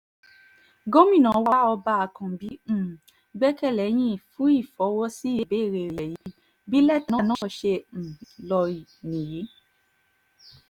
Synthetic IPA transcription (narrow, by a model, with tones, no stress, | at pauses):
ɡo˦mĩ˦˨nã˨˦wa˦ɔ˧ba˧a˨kã˨bĩ˨˦˨ | ɡ͡bɛ˦kɛ˦˨lɛ˨˦j̃ĩ˦˨fũ˦i˦˨fɔ˨˦wɔ˦si˦˨˧be˨˦˨ɾe˧˨ɛ˨ji˨˦˧ | bi˦lɛ˦˨tnã˦nã˦ʃẽ˧˨lɔ˧ɾi˨nĩ˨je˨˦